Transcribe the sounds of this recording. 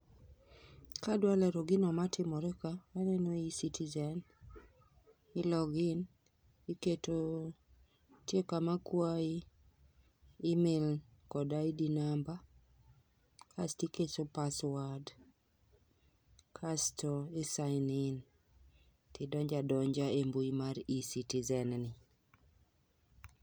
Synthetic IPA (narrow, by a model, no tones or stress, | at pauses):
kadwalɛɾoɡinɔmatɪmɔɾɛkawanɛnoisitʰizɛn | ɪlɔɡɪn | iketo | tjekamakwai | ɪmɪlkɔdaidinamba | kʰastikesopaswad | kʰastʰɔɪsaɪnɪn | tɪdɔɲd͡ʒadɔɲd͡ʒaembuimaɾisitizɛnnɪ